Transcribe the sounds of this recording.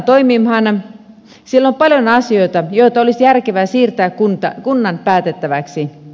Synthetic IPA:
t̪oimimhɑn | sielːompɑljonɑsioit̪ɑjoit̪ɑolisjærkeʋæːsiːrt̪æːkkunt̪ɑkunːɑnpæːt̪et̪ːæʋæksi

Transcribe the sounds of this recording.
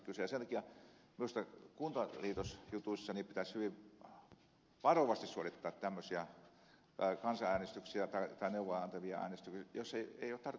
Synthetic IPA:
kysejɑsent̪ɑ̥kiɑmiust̪ɑkunt̪ɑliːt̪osjut̪uisːɑniːpit̪æshyʋiʋ | ʋɑroʋɑst̪issuolit̪ːɑːt̪t̪æmːøsiɑ | kɑnsɑæːnest̪yksiɑt̪ɑit̪ɑineuʋːˑoɑɑnt̪ɑʋiɑ̰æ̰ːnest̪yksjosːeieˑioːt̪t̪ɑr

